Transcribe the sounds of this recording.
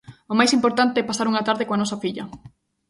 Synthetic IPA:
ʊmajsimpoɾt̪ant̪eɛpasaɾuŋɐt̪aɾðekoanɔsɐfiʎɐ

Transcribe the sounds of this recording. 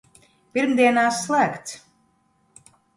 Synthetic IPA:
pʲiɾmd̪iɛnaːsːlˠæːkt̪s

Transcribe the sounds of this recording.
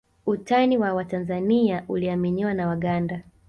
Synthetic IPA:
utaniwawatanzaniaʔuliaminiwanawaɠanda

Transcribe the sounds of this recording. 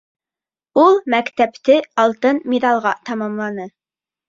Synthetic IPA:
ulˠmɛkʲt̪ɛpt̪ɪɑlˠt̪ɨnmed̪ɑlˠʁɑt̪ʰɑmɑmlˠɑnɨ

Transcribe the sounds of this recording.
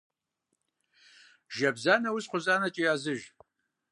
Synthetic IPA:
ʒɐbzaːnɐwʊsqʷʊzaːnɐt͡ʃʼijaːzɨʒ

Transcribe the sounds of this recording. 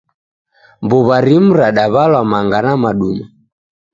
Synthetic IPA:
mbuβaɾim̩ɾaɗaβalwamaŋɡanamaɗuɲa

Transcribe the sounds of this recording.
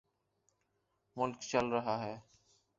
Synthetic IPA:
mʊlkt͡ʃalɾəɦaɦɛː

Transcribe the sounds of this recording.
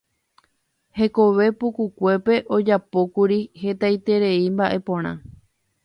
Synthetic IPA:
he̞ko̞ʋe̞pukukʷe̞pe̞ʔo̞d͡ʒapo̞kuɾihe̞t̪ajt̪e̞ɾe̞imbaʔe̞põ̞ɾ̃ã̰

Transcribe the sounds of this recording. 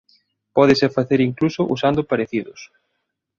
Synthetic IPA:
pɔðɪseɾfaθeɾiŋklusʊʔusand̪ʊpaɾeθiðʊs

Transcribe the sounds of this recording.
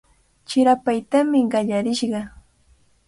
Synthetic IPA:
t͡ʃɪɾapajt̪amɪɢɑʎaɾɪʃɢɑ

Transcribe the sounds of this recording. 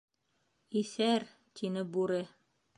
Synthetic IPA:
iθæɾ | t̪ʰinɘbuɾɘ

